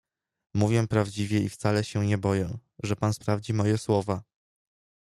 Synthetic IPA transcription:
muvʲjɛpɾavd͡ʑivʲjɛift̪salɛɕɛɲɛbɔjɛ̃ʐɛpanspɾavd͡ʑimɔjɛswɔva

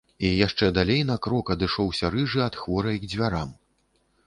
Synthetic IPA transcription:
ijaʂt͡ʂɛd̪alʲejnɐkɾɔkɐd̪ɨʂɔwsʲɐɾɨʐɨɐt̪xvɔɾɐjɡd͡zʲvʲaɾam

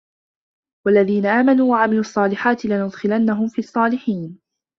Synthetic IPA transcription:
walːaðiːnaʔaːmanuːwaʕamɪluːʔɑsˤːɑːlɪħaːt̪ɪlanʊd̪xɪlanːaɦʊmfiːɑsˤːɑːlɪħiːn

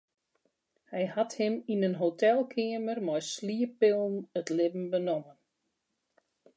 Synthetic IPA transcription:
hɛjhathɪminənɦotɛlˠkʰɪəmərmɔjsliəpɪlˠn̩ətlɪbm̩bənomən

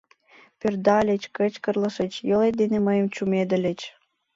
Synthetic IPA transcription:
pørd̪ɑlʲet͡ɕkət͡ɕkə̆rlə̆ʃət͡ɕjoled̪eneməjə̆mt͡ɕumed̪ə̆lʲet͡ɕ

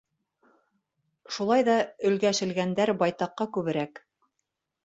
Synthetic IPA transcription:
ʃulˠɑjðɑɵ̆lɡæʃɘ̆lɡænd̪æɾbɑjt̪ɑqːɑkʉβɘ̆ɾæk

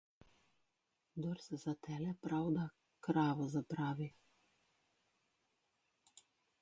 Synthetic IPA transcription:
d̪ɔɾsɛzat̪ʰɛːlɛpɾawd̪a | kɾaːʋɔzapɾaːʋi

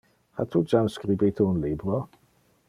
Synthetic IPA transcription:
hatʰud͡ʒanskrɪbitʰuənlɪbrɔ

